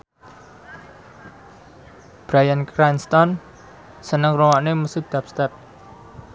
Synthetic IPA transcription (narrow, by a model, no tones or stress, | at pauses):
b̥ɾajankɾanst̪ɔn | sənəŋrowaʔnemusud̪̥a̤p̚st̪ɛp̚